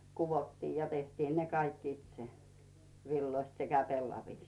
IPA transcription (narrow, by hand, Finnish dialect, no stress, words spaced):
kuʋotːiːj jɑ tehtiːn ne kɑikː itse ʋilːoist sekæ pelːɑʋiˑst